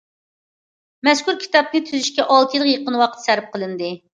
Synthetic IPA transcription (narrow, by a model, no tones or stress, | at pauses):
mɛskʲuɾkʲʰi̥t̪ɑp̚nɨt̪ʰyzyʃkʲɛʔɑlˠt̪ʰjilˠəqjeqənwɑqət̪ʰsæɾɪp̚qʰəlˠɨnd̪ɨ